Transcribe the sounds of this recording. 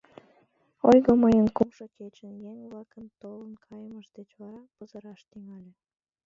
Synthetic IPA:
ojɣoməjənkumʃoket͡ɕənjeŋβlɑkənt̪olənkʰɑjəməʃd̪et͡ɕβɑɾɑpəzəɾɑʃt̪iŋɑlʲĕ

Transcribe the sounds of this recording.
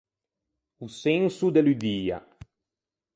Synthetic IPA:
usɛnsud̪elud̪iːa̰

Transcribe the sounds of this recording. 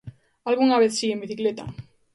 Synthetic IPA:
alɣuŋaβeθsiembiθiklet̪a̰

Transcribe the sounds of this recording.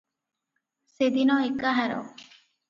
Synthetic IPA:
sed̪inɔekaɦaɾɔ̰

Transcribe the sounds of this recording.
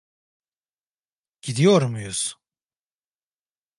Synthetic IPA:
ɟ̥id̪ijoɾmujuz̥

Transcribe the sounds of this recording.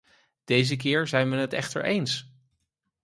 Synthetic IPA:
d̥ejzək̬ɪːɹzɛjnʋɛnɦətɛ̰χtə̰ɹʔejns

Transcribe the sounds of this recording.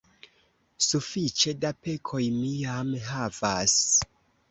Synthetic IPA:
sufit͡ʃe̞dape̞kʰo̞jmijamɦavas

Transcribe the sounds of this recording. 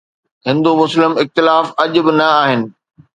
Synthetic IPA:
ɦɪ̃nd̪umʊslɪmɪxt̪ɪlaːfɐʄʊ̆bɪnɐaːɦɪnɪ̆

